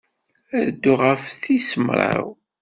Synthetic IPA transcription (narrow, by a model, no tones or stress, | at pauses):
æðd̪ːʊʁəfθisəmɾˤə̰w